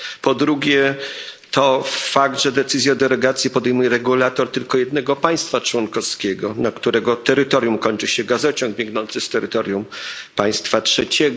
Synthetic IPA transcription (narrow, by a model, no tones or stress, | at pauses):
pɔd̪ɾuɡʲjɛt̪ʰɔfaɡd̪ʐɛd̪ɛt̪sɘzʲjad̪ɛlɛɡat̪sʲjipɔd̪ɛjmujɛɾɛɡulat̪ɔɾt̪ɘlkɔjɛd̪nɛɡɔpaj̃st̪fat͡ʂwɔnkɔfskʲɛɡɔnakt̪uɾɛɡɔt̪ɛɾɘt̪ɔɾjumkɔɲt͡ʂɘɕɛɡazɔt͡ɕɔŋɡ̚bʲjɛŋɡnɔnt̪sɘst̪ɛɾɘt̪ɔɾʲjumpaj̃st̪fatʂɛt͡ɕɛɡ